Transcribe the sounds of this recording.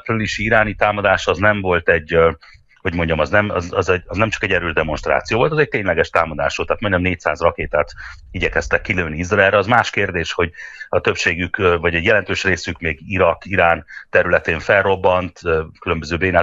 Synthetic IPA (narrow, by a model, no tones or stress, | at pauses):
pryliʃiiɾaːnit̪aːmɒd̪aːʃɒznɛɱvo̞lt̪ɛɟː | ho̞ɟmo̞ɲɟɒmɒznɛmɒ̰zɒzɛɟɒznɛmt͡ʃɒ̥kɛɟɛɾøːʒd̪ɛmo̞nʃt̪ra̰ːt̪sijoːvo̞lt̪ɒzɛc̚t̪eːɲlɛɡɛʃt̪aːmɒd̪a̰ːʃoːt̪aːt̪moɲɟɒmneːc̚sa̰ːzrɒkeːt̪aːt̪ | iɟɛkɛst̪ɛkːiløːnːiizrɒɛlɾɛɒzmaːʃkeːrd̪eːʃho̞ɟɒt̪øpʃeːɡykvɒɟɛɟjɛlɛnt̪øːʃreːsykmeːɡiɾɒkiɾaːnt̪ɛɾylɛt̪eːɱfɛlro̞bːɒnt̪økylø̞mbøzøːbeːnaː